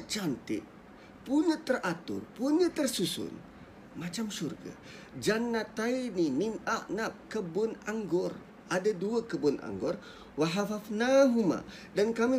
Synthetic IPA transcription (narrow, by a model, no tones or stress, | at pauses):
ət͡ʃant̪ɪ̰ʔ̚ | puɲat̪ərat̪ʊ̰rpuɲat̪ərsusʊ̰n | mat͡ʃamʃurɡa̰ | d͡ʒanːat̪ainininaʔnap̚kəbʊnaŋɡʊr | adaduakəbʊnʔa̰ŋɡʊr | waɦafafnaɦuma̰ | dankami